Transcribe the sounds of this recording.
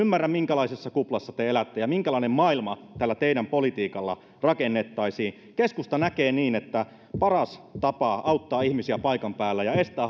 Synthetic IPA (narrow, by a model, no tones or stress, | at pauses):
ymːærːæmmiŋkælɑisesːɑkuplɑsːɑt̪eelæt̪ːejɑmiŋkælɑinemmɑilmɑt̪ælːæt̪eidæmpolit̪iːkɑlːɑ̰ | rɑkenːet̪ːɑisiː | keskust̪ɑnækeːniːnet̪ːæ | pɑrɑst̪ɑpɑɑut̪ːɑːihmisiæpɑikɑmpæːlːæjɑest̪æː